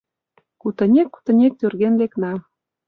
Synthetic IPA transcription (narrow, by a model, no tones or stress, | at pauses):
kut̪ə̆nʲekːu̥t̪ə̆nʲek̚t̪ørɣenleknɑ